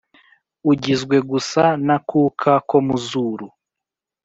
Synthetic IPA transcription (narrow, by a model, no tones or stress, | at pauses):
uɟizɡweɡusanakuːkʰakomuzuɾu